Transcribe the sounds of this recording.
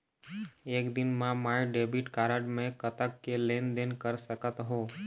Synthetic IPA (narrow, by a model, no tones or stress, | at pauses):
eːkd̪ɪnmãmajɖebiʈkaːɾəɖmẽkət̪əkːelend̪enkəɾsəkət̪ɦoː